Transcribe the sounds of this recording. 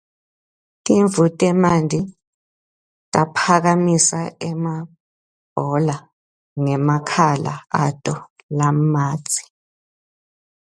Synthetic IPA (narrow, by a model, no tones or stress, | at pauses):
tʼiɱvutʼɛmandʱi | tʼapʰaɣamisaɛma | b̥ʱɔla | ŋɛmakʰala̰atʼɔ | lamḁːt͡sʼi̥